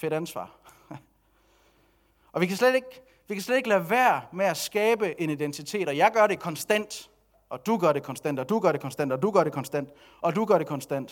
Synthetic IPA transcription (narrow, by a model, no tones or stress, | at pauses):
fe̝ɾænsʋɑ̰̈ː | ʔɒ̽ʋikʰæsled̥e̝ɡ̥ | ʋikʰæsled̥e̝ɡ̥læʋæːɐmeæsɡ̥ɛːb̥əʔe̝nid̥ent͡sʰit͡sʰe̝̰ːɾ̥ɒ̽jɑ̈ɪɡ̥ɶɐɾe̝kʰɒ̽nsd̥æn̰d̥ | ɒ̽d̥uɡ̥ɶɐɾe̝kʰɒ̽nsd̥æn̰d̥ɒ̽d̥uɡ̥ɶɐɾe̝kʰɒ̽nsd̥æn̰d̥ɒ̽d̥uɡ̥ɶɐɾe̝kʰɒ̽nsd̥æn̰d̥ | ʔɒ̽d̥uɡ̥ɶɐɾe̝kʰɒ̽nsd̥æn̰d̥